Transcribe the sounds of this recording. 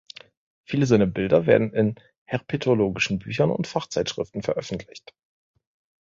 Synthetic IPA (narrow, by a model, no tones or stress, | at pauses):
fiːləzaɪnɐbɪldɐveːɐdn̩ɪn | hɛʁpʰetʰoloːɡɪʃn̩byːçɐnʊ̰ntfaχt͡saɪtʃʁ̥ɪftn̩fɛɐʔœfn̩tʰlɪçt